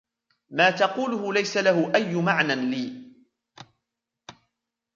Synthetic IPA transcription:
maːt̪ɑquːlʊhʊlajsalahʊʔajːʊmaʕnanliː

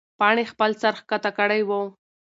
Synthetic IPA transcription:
pɑɳ̃expəlsaɾxkat̪akəɽajwəw

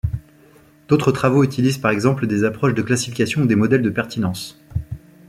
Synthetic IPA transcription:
d̪̥ot̪χət̪χavoyt̪ilizpaʁɛɡzɑ̃pləd̪ezapχɔʃd̪əklasi̥fikʲasjɔ̃ud̪emɔd̪ɛld̪əpɛʁt̪inɑ̃s

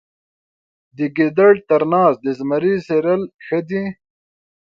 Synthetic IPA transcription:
d̪iɡid̪ɐɽt̪ɐɾnaːsd̪izmɐɾiseɾɐlxɐd̪i

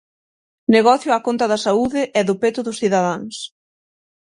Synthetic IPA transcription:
neɣɔθjʊakont̪ɐðɐsauðɪʔɛðʊpet̪ʊðʊsθiðaðaŋs

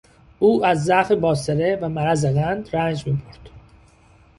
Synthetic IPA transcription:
ʔuːæzːæfebɒːseɾevæmæɾæzeɣænd̪ɾænd͡ʒmiːbʰoɾd̪̥

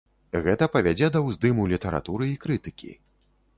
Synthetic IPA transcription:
ɣɛt̪ɐpɐvʲad͡zʲɛd̪ɐwzd̪ɨmulʲit̪ɐɾa̰t̪uɾɨikɾɨt̪ɨkʲḭ

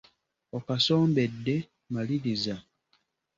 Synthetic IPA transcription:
okasoːmbe̞dːe̞ | maliɾiza

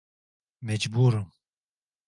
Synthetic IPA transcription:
mɛd͡ʒbuːɾum

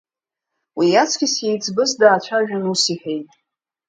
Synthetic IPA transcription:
wijat͡sʰkʲɪsjejt͡sʰʼbɨzdaːt͡ʃʷʰaʒᶣanusiħejtʼ

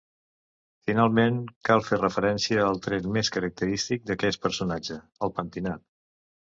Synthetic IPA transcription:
finalˠmenkalˠferəfəɾɛnsiəːlˠt̪ɾɛnmeskəɾək̚t̪əɾist̪ik̚d̪əkɛs̚pəɾsunad͡ʒə | əlˠpənt̪inat̪

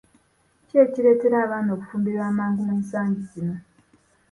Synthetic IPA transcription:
ce̞ːciɾe̞ːte̞ɾaːβaːno̞ːkufuːmbiɾwaːmaːŋɡumeːnsaːɲɟizino̞

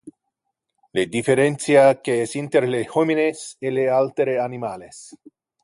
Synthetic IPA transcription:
led̪ifeɾent̪siakeesint̪eɾlehomineselealt̪eɾeanimales

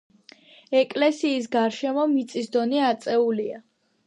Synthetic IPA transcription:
ɛkʼlɛsiːs̬ɡaɾʃɛmɔmit̪sʼisd̪ɔniat̪sʼɛulia

